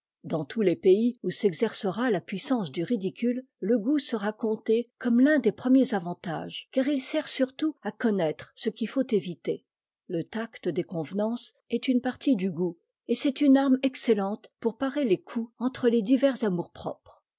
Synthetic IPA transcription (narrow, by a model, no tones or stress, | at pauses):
d̪ɑ̃t̪ʰulepeiusɛɡzɛʁsəʁalapɥisɑ̃sd̪yʁid̪ikʲyl | ləɡusəʁakɔ̃t̪ekɔmlɛ̃d̪epχəmjezavɑ̃t̪a̰ʒkaʁilsɛʁsyʁt̪uakɔnɛt̪χsəkʲifot̪evit̪e | lət̪akt̪əd̪ekɔ̃vnɑ̃s | ɛt̪ynpaʁt̪id̪yɡu | esɛt̪ynaʁmɛkselɑ̃t̪puʁpaʁelekʰuɑ̃t̪χəled̪ivɛʁzamuʁpχɔ̰pχ